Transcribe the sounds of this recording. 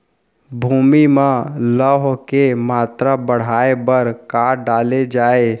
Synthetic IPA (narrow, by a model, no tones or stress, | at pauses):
bʱuːmimãləɦkemaːt̪ɾabəɽ̤aːebəɾkaːɾɖaːled͡ʒaːe